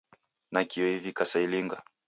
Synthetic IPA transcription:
nakiɔivikasailiŋɡa̰

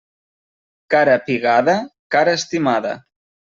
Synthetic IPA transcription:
kaɾapiɣaðakaɾaːst̪imaðɐ̰

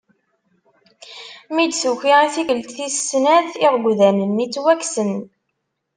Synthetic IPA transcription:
mid̪suçiʁiθikəlt̪θisːnæðiʁɡʷðænənːit͡sːwæksən

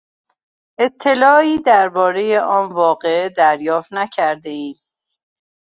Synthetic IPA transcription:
ʔe̞t̪ʰːe̞lɒːiːd̪æɾbɒːɾe̞je̞ʔɒːnvɒːɣe̞ed̪æɾjɒːft̪næcʰæɾd̪e̞iːm

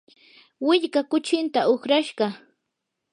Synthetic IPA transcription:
wɪʎkakʊt͡ʃɪnt̪aoχɾaʃɢɑ

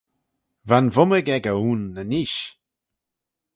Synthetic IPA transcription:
vanvʊməɡɛɡəuːnːəniʃ

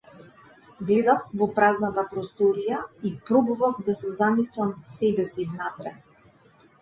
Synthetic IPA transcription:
ɡlɛd̪afvɔpɾaznat̪apɾɔst̪ɔɾijaipɾɔbɔvafd̪asɛzamislˠamsɛbɛsivnat̪ɾɛ

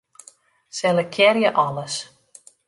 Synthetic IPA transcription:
sɛləkʰjɛrjəʔɑləs

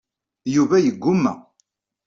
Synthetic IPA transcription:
juvæjəɡːʊmːæ̰

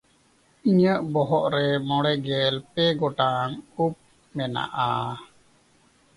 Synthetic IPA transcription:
iɲəʔbɔɦɔʔɾɛmɔɽɛɡɛlpɛɡɔʈaŋup̚ | mɛna̰ʔa

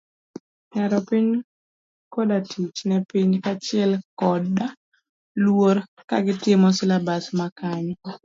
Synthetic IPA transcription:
ɲaɾɔpiɲ | kɔdatʰit͡ʃnɛpiɲkat͡ʃɪɛlkɔda | lwoɾ | ka̰ɡɪtɪmɔsɪlabasmakaɲ

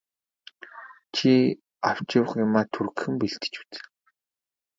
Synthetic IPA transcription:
t͡ɕʰi | aw̥t͡ɕɪ̆w̆χɪmaːt̪ʰurɣxɘ̆mpiɬt̪ɘ̥̆t͡ɕu̥t͡sɘ̥̆ŋ

